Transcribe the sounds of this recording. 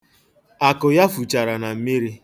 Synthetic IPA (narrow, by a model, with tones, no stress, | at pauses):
a˨kʊ˨ja˦fu˨t͡ʃa˨ɾa˨na˨m̩˦mi˦ɾi˦